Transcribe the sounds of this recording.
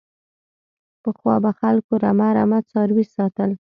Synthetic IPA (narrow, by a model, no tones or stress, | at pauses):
pəxwɑbaxalkoɾamaɾa̰mad̪sɑɾwisɑt̪əl